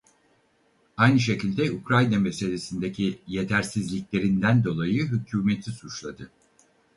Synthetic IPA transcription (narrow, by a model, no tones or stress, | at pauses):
ajnɯʃ̬e̞cʰilʲd̪ɛukɾajname̞se̞lʲe̞sind̪e̞cʰije̞t̪ʰæɾsizlʲiclʲe̞ɾind̪ænd̪o̞lˠajɯɦycʰuːme̞t̪ʰisut͡ʃlˠad̪ɯ